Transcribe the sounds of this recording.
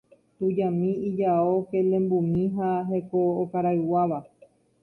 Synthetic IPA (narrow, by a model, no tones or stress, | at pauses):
tud͡ʒãmĩid͡ʒao̞ke̞lẽ̞mbumĩɦaɦe̞kookaɾaɨwaʋa